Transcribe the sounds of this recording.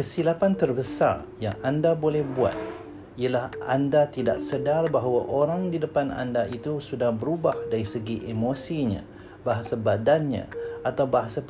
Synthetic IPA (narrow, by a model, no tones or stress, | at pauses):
kəsilapant̪ərbəsa̰rja̰ŋandabolɛhbua̰t̪̚ | iəlahʔandat̪ida̰ʔsədarbaɦawaʔoɾaŋdidəpana̰ndaʔit̪usudahbəɾubahdaɾisəɡiʔemosiɲã̰ | baɦasabadanɲã̰at̪awbaɦasa